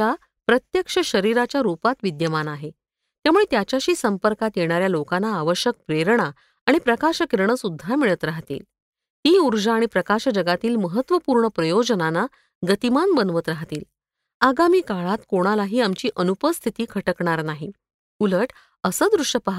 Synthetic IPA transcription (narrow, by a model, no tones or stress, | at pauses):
a | pɾət̪jəkʂəɕəɾiɾat͡ɕjaɾupat̪ʋid̪jəmanaɦe | t̪jamuɭet̪jat͡ɕaɕiːsəmpəɾkat̪jeɽ̃aɾjalokanːaːʋəɕjək̚pɾeɾɳaː | ɽ̃ipɾəkaɕəkiɾɳəsud̪ʱːamiɭət̪ɾaɦt̪ḭːl | hiːuɾd͡ʑəaɽ̃ipɾəkaɕd͡ʑəɡat̪iːlməɦət̪ːʋəpuːɾɳəpɾəjod͡ʑənana | ɡət̪imanbənʋət̪ɾaɦt̪ḭːl | aɡamiːkaɭat̪koɽ̃alaɦiːamt͡ɕiːʔənupəst̪ʰit̪iːkʰəʈəkɳaɾnaɦi | uləʈ | əsəːd̪ɾuʂəpaɦ